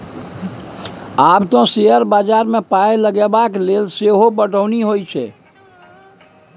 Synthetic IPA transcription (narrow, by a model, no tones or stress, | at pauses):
abt̪õseəɾbad͡ʒaɾmepaeləɡebaklelseɦobəʈəʊniɦojt͡ʃʰɛ̰